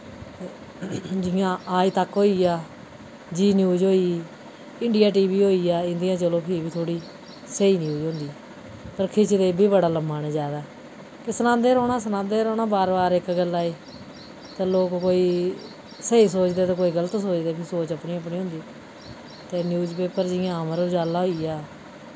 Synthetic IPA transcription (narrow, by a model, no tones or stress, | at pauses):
d͡ʒɪjãːʔaːiːt̪əkɦoːiːaː | d͡ʒiːnjuːd͡ʒɦoːiː | ɪɳɖijaːʈ̬iːbiːɦoːiːaːɪ̃nd̪ijãːt͡ʃəlõːpʰɪːbiːt̪ʰoːɽiː | səiːnjuːd͡ʒɦõːnd̪iː | pəɾkʰɪt͡ʃd̪eːbʱiːbəɽaːləmaːneːd͡ʒaːd̪aː | kɪsənãːd̪eːɾoːɳ̃aːsənãːnd̪eːɾoːnaːbaːɾbaːɾɪkɡəlːaːeː | t̪aːloːkːoːiː | səiːsoːt͡ʃd̪eːt̪ãːk̬oːiːɡələt̪soːt͡ʃd̪eːpʰɪɾsoːt͡ʃəpniːəpnĩːɦʊ̃ːnd̪iː | t̪eːnjuːzpeːpəɾd͡ʒɪãːməɾd͡ʒaːlaːɦoːiːaː